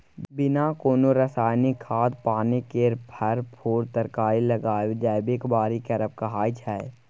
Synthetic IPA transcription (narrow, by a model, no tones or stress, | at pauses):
bɪnakoːnoɾəsaːjnikʰaːd̪paːnekeɾpʰəɾpʰoːɾt̪əɾkaːiləɡaːd͡ʒɛːɪbekbaːɾikəɾəp̚kɐɦaːit͡ʃʰaːe